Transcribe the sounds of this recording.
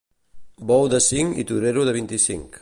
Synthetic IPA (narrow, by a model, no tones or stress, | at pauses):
bɔwd̪asiŋḭt̪uɾeɾuðɐβint̪isḭŋk